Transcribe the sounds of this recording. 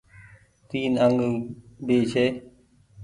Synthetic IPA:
t̪iːnəŋɡbeːt͡ʃʰeː

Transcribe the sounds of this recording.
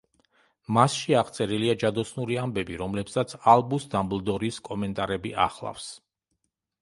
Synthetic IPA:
masʃiaʁt̪sʼɛɾiliad͡ʒad̪ɔsnuɾiambɛbiɾɔmlɛpsat̪sʰalˠbusd̪amblˠd̪ɔɾiːskʼɔmɛnt̪ʼaɾɛbiʔa̰χlˠa̰fs

